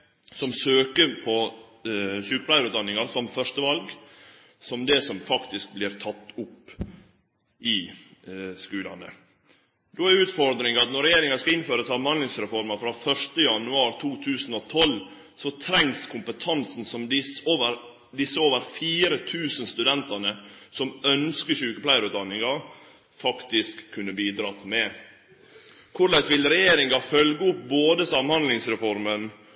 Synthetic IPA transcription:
sɔmsøːkəɾpʰɔ | çʉːkpʰlæɪɾʉːt̪d̪ɑnːɪŋɑɾsɔmfœʂt̪əʋɑlɡ | sɔmd̪ɛsɔmfɑkt̪ɪsk̚blɪːɾt̪ʰɑt̪ːʊpː | ʔɪ | skʉːlɑ̰nə̰ | d̪oːæɾʉːt̪fɔɾd̪ɾɪŋɑt̪nɔɾɛjeːɾɪŋɑskɑɪnføːɾəsɑmhɑnlɪŋsɾɛfɔɾmɑfɾɑːfœʂʈəjɑnːʉɑːɾt̪ʰuːt̪ʰʉːsnɔt̪ʰɔl | sɔt̪ʰɾɛŋskʰʊmpət̪ʰɑnsn̩sɔmd̪ɪsoːʋəɾ | d̪ɪsːəoːʋəɾfiːɾət̪ʰʉːsənst̪ʉd̪ɛnt̪ɑnəsɔmœnskəʂʉːkəpʰlæɪəɾʉːt̪̚d̪ɑnɪŋɑ | fɑkt̪ɪskʰːʉnːəbiːd̪ɾɑːt̪mɛ | kʰʊɾlæɪsʋɪlɾɛjeːɾɪŋɑfœlɡəʊp̚boːd̪əsɑmhɑnd̪lɪŋsɾɛfɔɾmən

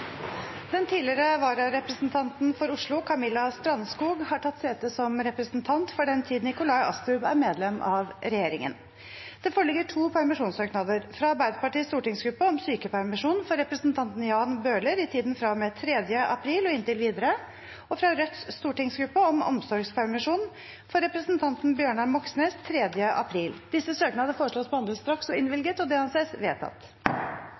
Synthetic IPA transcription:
d̪̥ɛnt̪ʰiːlɪɾəʋɑːɾɑɾɛpɾəsnt̪ʰɑnt̪n̩fɔɾʊʂɭʊkʰɑmɪlːɑst̪ɾɑnːskuːɡhɑʈʰɑt̪ːseːt̪əsɔmɾɛpɾəsnt̪ʰɑnt̪fɔɖɛnt̪ʰiːd̪nɪkʊlɑɪɑ̰st̪ɾʉbæɾmeːd̪lɛmʔɑʋɾɛjeːɾɪŋə̰n | d̪̥ɛfoːɾɭɪɡːəʈʰuːpʰæɾmɪʂuːnsøːknɑd̪əɾfɾɑɑɾbæɪd̪əpɑʈiːst̪uːʈɪŋsɡɾʉpːəɔmsyːkəpʰæɾmɪʂuːnfɔɾɛpɾəsnt̪ʰɑnt̪n̩jɑːnbøːləɾɪt̪ʰiːd̪nfɾɑmɛt̪ʰɾɛd̪jəʔɑ̰pʰɾiːlɔɪnt̪ɪlʋiːd̪əɾə | ɔfɾɑɾœt̪sst̪uːʈɪŋsɡɾʉpːəɔmɔ̰msɔɾɡspʰæɾmɪʂuːn | fɔɾɛpɾəsnt̪ʰɑnt̪n̩bjøːɳɑmɔksneːst̪ʰɾɛd̪jəʔɑ̰pʰɾiːld̪̥ɪsːəsøːknɑd̪əfoːɾəʂɭoːspɔɑnd̪əst̪ɾɑksɔɪnʋɪlɡət̪ɔd̪ɛhɑnseːsʋḛːt̪ʰɑ̰t̪ː

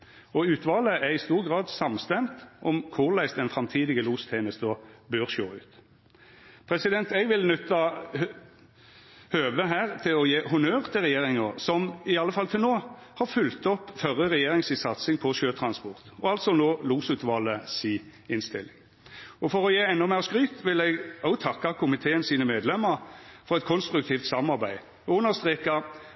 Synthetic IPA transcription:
ɔʉːt̪ʰʋɑːləæʁɪst̪uːʁɡʁɑːd̪sɑmst̪ɛmt̪ʔɔmkʰʊʁlæɪst̪ɛnfɾɑmt̪ʰiːd̪ɪɡəluːst̪ʰɛːməst̪əbøːʁʃoːʉːt̪ | pʰɾɛsɪd̪ɛnt̪ɛɡʋɪlnʉt̪ːɑ | høːʋəɦæːʁt̪ʰɪlɔjeːhʊnøːʁt̪ʰɪlʁɛjeːʁɪŋəʁsɔmɪɑlːəfɑlt̪ʰɪlnoːhɑʁfʉlt̪ɔpːfœʁəʁɛjeːʁɪŋsɪsɑt̪sɪŋpʰɔʃøːt̪ʰɾɑnspɔʁt̪ɔɑlt̪sɔnoːluːsʉːt̪ʋɑlːəsiːɪnst̪ɪlːɪŋ | ɔfɔʁɔjeːɛnːɔmeːʁskʁyːt̪ʋɪlɛɡɔʊt̪ʰɑkːɑkʰʊmɪt̪ʰeːənsiːnəmeːd̪lɛmːəɾfɔʁɛt̪kʰɔnst̪ɾʉk̚t̪ʰiːft̪sɑmɑʁbæɪ | ʊnəst̪ʁeːkɑ

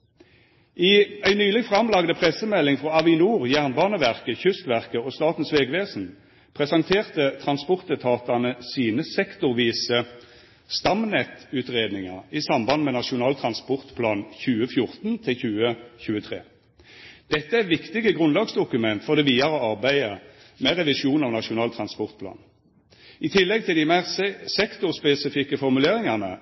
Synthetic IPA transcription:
ʔɪæɪnyːlɪɡfʁɑmlɑɡd̪əpʰʁɛsəmɛlːɪŋfʁɔɑʋɪnuːʁjæːʁnbɑːnəʋæʁkəçʏst̪ʋæʁkəɔst̪ɑːt̪n̩sʋeːɡʋeːsn̩ | pʰʁɛsɑŋt̪ʰeːʁt̪ət̪ʰʁɑnspɔʁt̪ət̪ʰɑːt̪ɑnəsiːnəsɛkt̪ʊʁʋiːsə | st̪ɑmnɛt̪ʉːt̪ʁeːd̪nɪŋɑ̰isɑmbɑnmɛːnɑʂʊnɑːlt̪ʰʁɑnspɔʁt̪pʰlɑːnçʉːəfjʊʁt̪nt̪ʰɪlçʉːəçʉːət̪ʰʁḛː | d̪̥ɛt̪ːəæʋɪkt̪ɪɡəɡʁʉnlɑːɡsd̪ʊkʉmɛnt̪fɔʁd̪ɛʋiːɑɾɔɑʁbæɪə | mɛʁɛʋɪʃuːnɑʋnɑʂʊnɑːlt̪ʰʁɑnspɔʁt̪̚pʰlɑ̰ːn | ɪt̪ʰɪlːɛɡ̚t̪ʰɪld̪ɪmæʁsɛkt̪ʊʁspɛsɪfɪkːəfɔʁmʉleːʁɪŋɑnə̰

